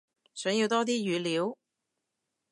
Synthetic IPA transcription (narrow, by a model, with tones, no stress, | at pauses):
sœː˨˥ŋji˧wt̪ɔː˥t̪̬iː˥jyː˨˧liː˨˥w